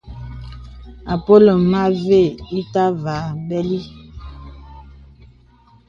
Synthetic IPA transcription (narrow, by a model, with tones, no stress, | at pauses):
a˨po˦lo˨ma˦ve˦˨i˦ta˦va˨˦bɛ˦li˦